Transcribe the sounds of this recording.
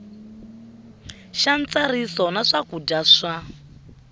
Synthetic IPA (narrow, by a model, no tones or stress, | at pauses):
ʃant͡saɾisɔnaʂakudaʂa